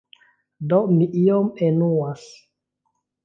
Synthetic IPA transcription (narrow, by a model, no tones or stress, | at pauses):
domiʔiomenuas